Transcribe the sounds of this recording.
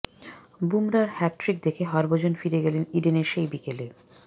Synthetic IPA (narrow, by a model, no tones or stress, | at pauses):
bumɾaɾhɛʈɾik̚d̪ekʰeɦɔɾbod͡ʑonfiɾeɡɛleniɖeneɾʃejbikele